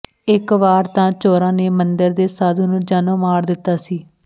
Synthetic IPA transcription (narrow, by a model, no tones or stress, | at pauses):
ɪkʋaːɾt̪ãːt͡ʃoːɾãːneːmənd̪əɾd̪eːsaːd̪unũːd͡ʒaːnõːmaːɾd̪ɪt̪ːaːsiː